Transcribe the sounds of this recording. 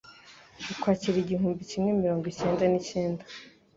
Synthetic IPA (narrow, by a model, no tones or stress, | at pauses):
ukwaːciɾiɟiɦuːmbicimŋe̞miɾo̞ːŋɡice̞ːndaniceːndḁ